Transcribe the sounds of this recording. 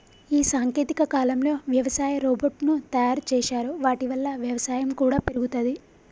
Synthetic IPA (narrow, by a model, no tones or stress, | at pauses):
iːsaːŋkeːt̪ikɐkaːlɐmlo̞ːʋjɐʋɐsaːjɐɾoːbɐɾʈnut̪ɐjaːɾt͡ʃɛːʃaːɾuʋaːʈiʋɐlːɐʋjɐʋɐsaːjɐmkuːɽaːpeɾuɡut̪ɐd̪i